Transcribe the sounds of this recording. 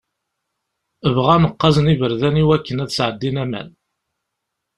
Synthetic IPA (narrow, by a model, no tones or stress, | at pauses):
əvʁænəqːɑzənivəɾðæniwækːənæðsʕəd̪ːinæmæ̰n